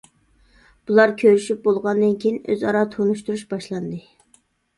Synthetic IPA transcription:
b̥ulˠɑɾkʲʰøɾyʃyp̚bolˠʁɑnd̪ɨnkʲʰejinø̰zɑ̰ɾɑt̪ʰonuʃt̪uɾuʃbɑʃlˠɑnd̪ɨ

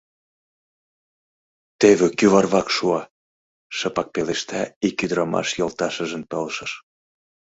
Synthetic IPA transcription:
t̪eβekyβɑrβɑkʃuɑ | ʃɤpɑk̚peleʃt̪æikyd̪ɾɑmɑ̰ʃjolt̪ɑʃə̆ʒə̆mpɤlʃəʃ

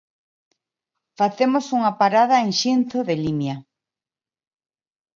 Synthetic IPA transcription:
faθemosuŋapaɾaðaeŋʃinθoðelimja

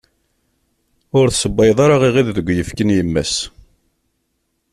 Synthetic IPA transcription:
ʊɾθsəbːɑjðˤɑɾaʁiʁiððəɡʷːjəfkənjəmːæ̰s

